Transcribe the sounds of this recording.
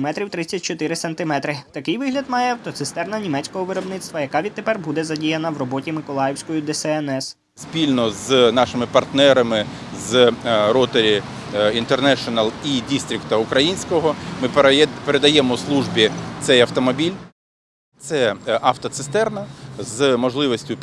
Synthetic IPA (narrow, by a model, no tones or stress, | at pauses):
mɛt̪ɾʲiwt̪ɾɪt͡sʲːɐt̚ʲt͡ʃɔt̪ɪɾɪsɐnt̪ɪmɛt̪ɾɪt̪ɐkɪjʋɪɦlʲɐd̪mɑjɛɐwt̪ɔt̪sɪst̪ɛrnɐnʲimɛtʲt͡ssʲkɔɦɔʋɪɾɔbnɪt̪st̪ʋɐjɐkɑʋʲid̪̚t̪epɛrbud̪ɛzɐdʲijɐnɐwrɔbɔtʲimɪkɔlˠɑjɛwsʲkɔjid̪ɛsɛɛnɛs | spʲilʲnɔznɑʃɪmɪpɐrt̪nɛɾɐmɪ | zɾɔt̪eɾʲi | int̪ernɛʃɔnɐlˠidʲist̪ɾʲɪkt̪ɐukɾɐjinʲsʲkɔɦɔmɪpeɾed̪ɐjɛmɔslˠuʒbʲit̪sɛjɐwt̪ɔmɔbʲilʲ | t̪sɛɐwt̪ɔt̪sɪst̪ɛrnɐzmɔʒlˠɪʋɔsʲtʲʊ